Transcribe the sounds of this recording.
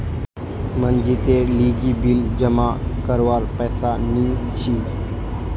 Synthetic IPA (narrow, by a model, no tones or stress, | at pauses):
mənd͡ʒit̪eliːɡibild͡ʒəmakəɾʋaːɾpɛːsanit͡ʃʰiː